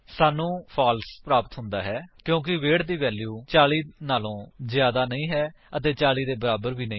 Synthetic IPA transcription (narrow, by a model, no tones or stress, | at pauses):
saːnũːpʰaːlspɾaːpət̪ɦʊnd̪aːɦɛːkjõːk̬ɪʋeːɽd̪iːʋɛːljuːt͡ʃaːliːnaːlõːzjaːd̪aːnəĩːɦɛː | ət̪eːt͡ʃaːliːd̪eːbəɾaːbəɾʋiːnəĩ